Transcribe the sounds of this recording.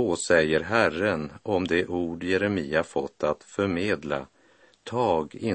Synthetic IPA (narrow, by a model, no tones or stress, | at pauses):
oːsɛjːəɾɦærənɔmd̪ɛʔuːɖjɛɾɛmiːafɔt̪ʰːat̪fœɾmeːd̪la̰ | t̪ʰɑːɡɪ